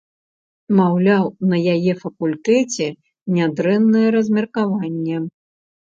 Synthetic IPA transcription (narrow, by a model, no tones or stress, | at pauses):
mawlʲawnɐjajɛfɐkulʲt̪ɛt͡sʲɛ | nʲad̪ɾɛnːɐjɛɾɐzʲmʲɛrkavanʲːɛ